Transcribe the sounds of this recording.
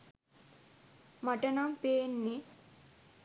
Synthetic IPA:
maʈənampeːnːi

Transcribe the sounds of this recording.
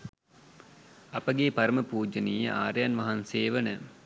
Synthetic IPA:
ɐpəɡepɐɾəməpuːd͡ʒəneːjəʔaːɾəjanʋɐɦanseːʋənə

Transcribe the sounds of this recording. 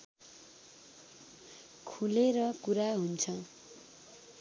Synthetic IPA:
kʰuleɾʌkuɾaɦunt͡sʰʌ

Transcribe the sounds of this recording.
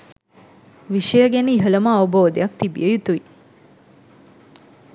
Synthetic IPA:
ʋiʃəjəɡænəiɦələməɐʋɐboːd̪ḛjak̚t̪ibḭjəjut̪uʋi

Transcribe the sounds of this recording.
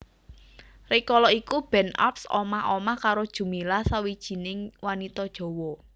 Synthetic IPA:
rikɔlɔikub̥ɛ̤na̰psɔ̰maɦomahkaɾod̥ʒ̥ṳmilasawid̥ʒ̥i̤nɪŋwanit̪ɔd̥ʒ̥ɔ̤wɔ

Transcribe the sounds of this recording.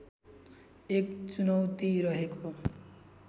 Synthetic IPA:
ekt͡sunʌwt̪iɾʌɦeko

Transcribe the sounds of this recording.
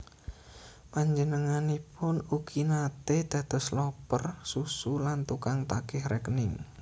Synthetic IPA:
paɲd͡ʒənəŋanipʊnukʰinat̪ed̪̥ä̤d̪̥ɔ̤slɔpərsusulant̪ukaŋt̪akɪhɾɛknɪŋ

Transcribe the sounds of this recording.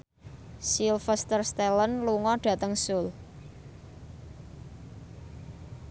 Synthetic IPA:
silfəst̪ərst̪eɛlənluŋɔɖ̥ä̤t̪əŋsʊl

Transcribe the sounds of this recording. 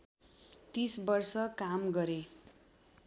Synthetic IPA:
t̪isbʌrsʌkamɡʌɾe

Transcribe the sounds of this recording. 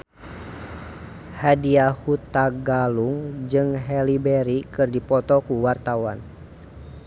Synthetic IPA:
hadiahut̪aɡaluŋd͡ʒɨŋɦɛlibɛɾikɨrdipɔt̪ɔkuwart̪awa̰n

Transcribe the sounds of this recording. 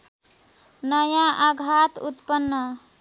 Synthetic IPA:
nʌjãʔaɡʱat̪ut̪pənːʌ

